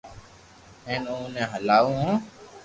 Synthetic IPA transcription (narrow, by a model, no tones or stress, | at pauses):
ẽːnũːnẽːɦəlaːũːɦõː